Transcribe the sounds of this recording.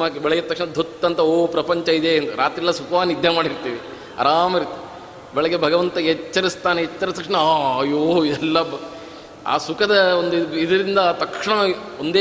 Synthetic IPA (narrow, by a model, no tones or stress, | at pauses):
aːkbɛɭɛɡet̪ɐkʂɳɐd̪ʱot̪ːɐnt̪ɐoːpɾɐpɐɲt͡ʃɐid̪eːnd̪uɾaːt̪ɾilːɐsukʋaːnːid̪ʱjɐmaːɽiɾt̪iːʋi | ɐ̰ɾaːmiɾt̪ːi | bɛɭɛɡebʱɐɡɐʋɐnt̪ɐɦɛt͡ʃːɐɾist̪aːneɦɛt͡ʃːɐɾit̪ːɐkʂɳɐaːɐjoːid̪ɛlːɐ | a̰ːsukɐd̪ɐond̪uid̪ɐɾind̪ɐːt̪ɐkʂɳɐ | ond̪eː